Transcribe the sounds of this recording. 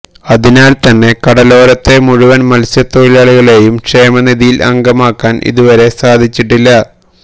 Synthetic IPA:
ɐðinaːlt̪ɐnːe̞kɐɽɐlo̞ːɾɐt̪ːe̞muɻuʋɐnmɐlsjɐt̪ːoɻilaːɭiɣɐɭe̞jumkʂe̞ːmɐniðijilɐ̰ŋɡɐmaːkːaːnʔḭðuʋɐɾe̞saːd̪ʱit͡ɕːiʈːilːɐ

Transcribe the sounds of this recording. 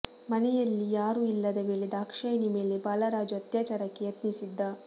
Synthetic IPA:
mɐnɛjɐlːijaːɾuːilːɐd̪eʋeːɭid̪aːkʂɐjnime̞ːlebaːlɐɾaːd͡ʒuɐt̪jaːt͡ʃaːɾɐkːejet̪nisid̪ːɐ

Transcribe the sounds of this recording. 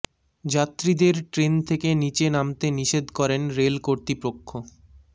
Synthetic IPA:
d͡ʑat̪ːɾid̪eɾʈɾent̪ʰekenit͡ɕenamt̪eniʃed̪kɔɾenɾelkoɾt̪ipokʰːo

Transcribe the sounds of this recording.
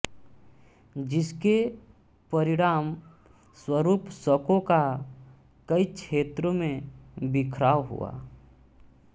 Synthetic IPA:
d͡ʒɪske | pɐɾɪɽ̃aːm | swəɾuːpsəkõka | kəikt͡ʃʰʃeːt̪ɾõmẽbɪkʰɾaːʋɦṵa̰ː

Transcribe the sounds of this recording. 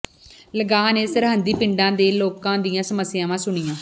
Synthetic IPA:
ləɡaːneːsəɾɦənd̪iːpɪɳɖãːd̪eːloːkãːd̪ijãːsəməsːɪjãːʋãːsʊɳiːjãː

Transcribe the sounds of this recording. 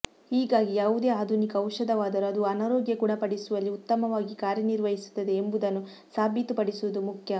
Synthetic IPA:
hiːɡaːɡijaːʋud̪e̞ːaːd̪ʱunikɐɐwʂɐd̪ɐʋaːd̪ɐɾuɐd̪uɐnaːɾoːɡjɐkuːɽɐpɐɽisuʋɐlːiut̪ːɐmɐʋaːɡikaːɾjɐniɾʋɐɦisu̥t̪ːɐd̪e̞ːmbud̪ɐnːu | saːbʱit̪upɐɽisuʋɐd̪umukʰjɐ

